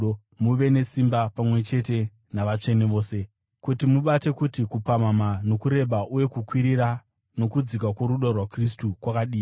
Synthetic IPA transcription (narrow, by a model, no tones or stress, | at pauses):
muʋe̞ne̞simbapamwe̞t͡ʃe̞t̬e̞ | naʋat͡ʂe̞neʋo̞ːse̞ | kutimuɓate̞kutikupamamano̞kuɾe̞ɓaʔuje̞kukwiɾiɾa | no̞kud͡zik̬wakwo̞ɾuɗorwakris̬tukwakaɗiː